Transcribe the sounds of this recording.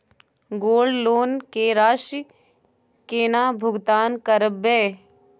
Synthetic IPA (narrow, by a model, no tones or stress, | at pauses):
ɡoːlloːnkeːɾaːʃ | keːnaːbʱʊɡt̪aːnkəɾəbeː